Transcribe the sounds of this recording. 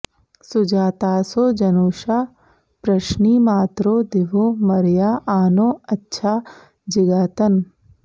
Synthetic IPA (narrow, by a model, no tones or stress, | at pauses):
sʊd͡ʒaːt̪aːsoːd͡ʒɐnoːʃaː | pɾɐʃniːmaːt̪ɾoːd̪ɪʋoːmɐɾjaːaːnoːɐtːʃʰaː | d͡ʒɪɡaːt̪ən